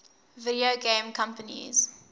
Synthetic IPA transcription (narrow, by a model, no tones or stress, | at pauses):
vɪdioɡẽmkʰãmpənḭz̥